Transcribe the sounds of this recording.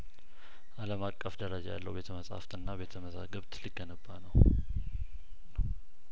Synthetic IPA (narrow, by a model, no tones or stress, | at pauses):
ʔaləmakʼːəfd̪əɾad͡ʒaja̰lːə̰wbe̞t̪ʰəməsʼha̰ft̪ɨnːaβe̞t̪ʰəməza̰ɡəβt̪liɡənəbːanəw